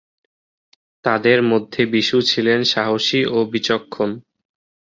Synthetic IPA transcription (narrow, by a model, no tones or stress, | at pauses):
t̪ad̪eɾmod̪ʱːebiʃut͡ɕʰilenʃaɦoʃiʔobit͡ɕokʰːon